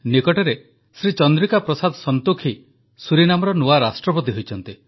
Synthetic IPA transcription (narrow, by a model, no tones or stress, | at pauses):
nikɔʈeɾe | sɾit͡ʃɔnd̪ɾikapɾɔsad̪ʱɔsɔnt̪ukʰi | suɾinamɔɾɔnuaɾasʈɾɔpot̪iɦojt͡ʃʰɔnt̪i